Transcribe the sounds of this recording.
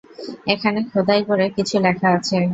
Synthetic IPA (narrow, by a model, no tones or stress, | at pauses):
ekʰanekʰod̪ajkoɾekit͡ɕʰulɛkʰaat͡ɕʰe